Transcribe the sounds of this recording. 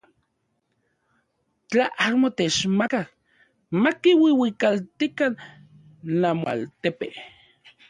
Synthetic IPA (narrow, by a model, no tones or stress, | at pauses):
t͡ɬaʔamot̪et͡ʃmakak̚ | makiwiwikalt̪ikan | lamoa̰lt̪epe